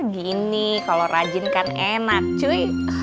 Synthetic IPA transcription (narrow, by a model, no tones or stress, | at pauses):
ɡinikaloɾʔad͡ʒɪnkanenak̚t͡ʃuj